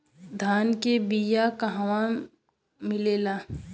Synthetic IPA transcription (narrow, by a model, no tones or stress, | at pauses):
d̪ʱaːnkebijakɐɦawa | mɪleːlaː